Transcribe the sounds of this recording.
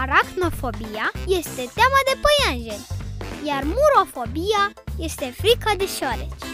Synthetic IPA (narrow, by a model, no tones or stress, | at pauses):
ɾak̪nofo̞bijaje̞st̪e̞t̪eamad̪e̞pəjanʒeljarmuɾo̞fo̞bija | je̞st̪e̞fɾikad̪eʃoɾet͡ʃʲ